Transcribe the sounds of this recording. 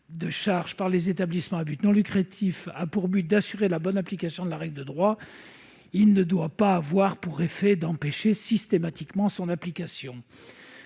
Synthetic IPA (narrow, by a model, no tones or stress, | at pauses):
d̪əʃaʁʒpaʁlezet̪ablismɑ̃abyt̪nɔ̃lykχat̪ʰifapuʁbyt̪̚d̪asyʁelabɔnaplikasjɔ̃d̪əlaʁɛɡld̪əd̪ʁwa | ilnəd̪wapaːvwaʁpuʁefɛd̪ɑ̃peʃesist̪emat̪ikmɑ̃sɔ̃naplikasjɔ̃